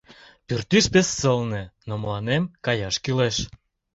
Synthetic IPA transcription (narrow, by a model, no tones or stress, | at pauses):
pyrt̪yʃpesːəlnĕnomlɑnemkɑjɑʃkyleʃ